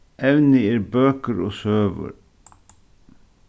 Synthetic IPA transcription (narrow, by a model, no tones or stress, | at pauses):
ʔɛʋnɪeːɾbøːkəɾoːsøːʋə̰ɾ